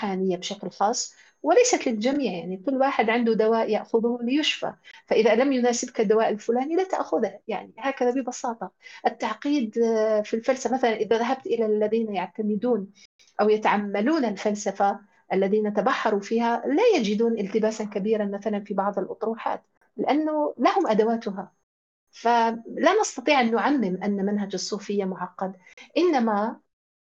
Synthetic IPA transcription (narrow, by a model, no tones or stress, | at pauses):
ħaːnɪjːabɪʃaklxɑːsˤː | wɪlajsat̪lɪld͡ʒamiːʕjaʕnikʊlːwaːħɪd̪ʕɪnd̪ʊd̪awaːʔjaʔxʊðuːlɪjʊʃfa̰faʔɪðalamjʊnaːsɪbkad̪ːawaːʔalfʊlaːnilat̪a̰ʔxʊðhjaʕnihaːkaðabɪbɑsɑːt̪ˤɑʔɪt̪ːaʕqiːd̪filfalsafamaθalanʔɪðaðaɦab̚t̪ʔɪlalːaðiːnajaʕt̪amɪd̪uːn | ʔawjat̪aʕamːaluːnalfalsafa | ʔalːaðiːnat̪abɑħːɑɾˤufiːhalajad͡ʒɪd̪uːnʔɪlt̪ɪbaːsankabiːɾanmaθalanfibɑʕðˤɪlʔʊ̰t̪ˤɾuːħa̰ːt̪ | lɪʔanːʊlahʊmʔad̪awaːt̪ʊɦa | falanɑst̪ɑt̪ˤiːʕʔanːʊʕamːɪmʔanːamanɦad͡ʒɑsˤːuːfɪjːamʊʕɑqːɑd̪ | ʔɪnːama